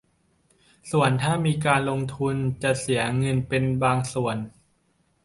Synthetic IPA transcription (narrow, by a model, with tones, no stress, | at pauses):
su˨˩ənt̪ʰaː˥˩miː˧k̬aː˧nlo˧ŋt̪ʰu˧nt͡ɕa˨˩si˩˦ɐŋɤ˧npe˧nbaː˧ŋsu˨˩ən